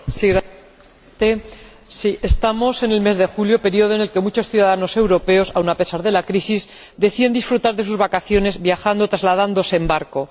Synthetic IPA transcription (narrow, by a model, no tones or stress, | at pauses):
siɣɾa | t̪e | siʔest̪amo̞se̞ne̞lme̞zðe̞xuljo̞pe̞ɾio̞ð̞oene̞lke̞mut͡ʃo̞sθjuðaðano̞se̞wɾo̞pe̞o̞sawnape̞saɾðe̞lakɾisiz | d̪e̞θiend̪isfɾut̪aɾðe̞s̬uzβakaθjo̞ne̞zβjaxand̪o̞t̪ɾazlaðand̪o̞seːmbaɾko̞